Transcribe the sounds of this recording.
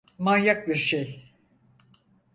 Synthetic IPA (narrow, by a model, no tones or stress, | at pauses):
majjak̚biɾʃej